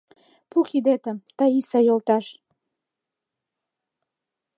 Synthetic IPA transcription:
pukid̪et̪ə̆mt̪ɑisɑjolˠt̪ɑʃ

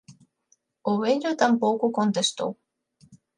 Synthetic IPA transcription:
owenʲot̪ampoːkukont̪est̪o̰w

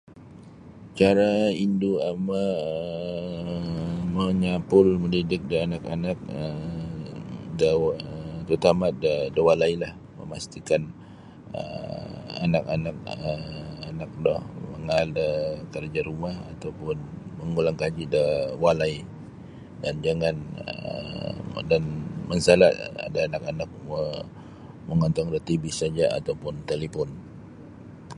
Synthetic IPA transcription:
t͡ʃaɾainduama | məɲapʊlməndidɪk̚dəanakanak̚ə | də | t̪ut̪amadədəwalailah | mə̰mast̪ikan | ə̰ | a̰nakanak̚əanak̚dɔhməŋaldəkərd͡ʒaɾumaha̰t̪awpʊnməŋulaŋkad͡ʒidəwalai | dand͡ʒaŋanə̰ə̰ | danmənsalaʔa̰daːnakanak̚ə | məŋɔnt̪ɔŋdət̪ibisad͡ʒaa̰t̪awpʊnt̪elepɔn

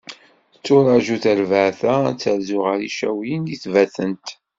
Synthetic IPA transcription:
t͡sːʊɾˤɑʒuθæɾvəʕθæt͡sːəɾzʊʁəɾiʃæwinjiθvæθənt̪

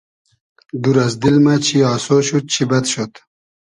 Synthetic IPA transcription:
d̪uɾazd̪ilmat͡ɕʰiɑːsoɕut̪̚t͡ʃʰibɐd̪ɕot̪

